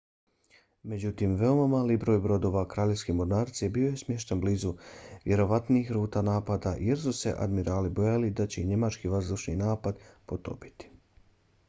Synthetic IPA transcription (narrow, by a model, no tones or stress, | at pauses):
me̞d͡ʑut̪imʋe̞omamaːlibɾo̞ːjbɾo̞d̪o̞ʋakɾaːʎe̞skimoɾnaːɾt̪siebio̞je̞smje̞ʃt̪anbliːzuʋje̞ɾo̞ʋat̪niːxɾuːt̪anaːpad̪aje̞ɾsuse̞̰ʔa̰d̪miɾaːlibo̞jalid̪at͡ɕe̞iɲe̞mat͡ʃkiʋazd̪uʃninaːpad̪pot̪o̰pi̥t̪i̥